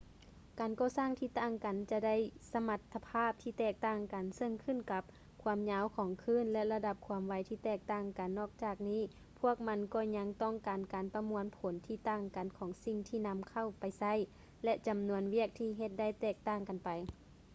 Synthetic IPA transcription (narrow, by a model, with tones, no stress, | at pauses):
kaː˨nkɔː˧˩saː˧˥˨ŋt̪ʰiː˧t̪aː˧˩˨ŋka˨nt͡ɕa˧da˥˨jsa˧ma˧t̪ʰːa˧pʰaː˥˩p̚t̪ʰiː˧t̪ɛː˧˩k̚t̪aː˧˥˩ŋka˨nsɤ˧˨ŋkʰɯ˧˥˨nka˧˦p̚ | kʰu˧˦mɲaː˧˥wkʰɔː˨˦ŋkʰɯː˧˥˨nlɛ˧ʔla˧da˧p̚kʰuː˧˦əmʋa˨˧˦jt̪ʰiː˧˩t̪ɛː˧˩k̚t̪aː˧˩ŋka˨nːɔː˧˩k̚t͡ɕaː˧˩k̚niː˧˥˩ | pʰu˧˥˩ək̚ma˧˥nkɔː˧ɲa˧˥ŋt̪ɔ˥˩ŋkaː˨nkaː˨npa˧mu˧ənpʰo˨˦nt̪ʰiː˧˩t̪aː˧˥˩ŋka˨˩nkʰɔː˨˦ŋsi˧˨ŋt̪ʰiː˧˨na˧˥mkʰa˧˨wpa˨˩jsa˧˥˨j | lɛ˧˥ʔt͡ɕa˨˩mnu˧ənʋi˥˩ək̚t̪ʰiː˧ɦe˧t̪̚da˥˨jt̪ɛː˧˩k̚t̪aː˧˩˨ŋka˨npa˨j